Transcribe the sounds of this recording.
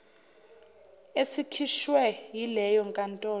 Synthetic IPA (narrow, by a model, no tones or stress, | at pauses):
esikʰiʃwɛjilɛjɔŋkʼantʼɔː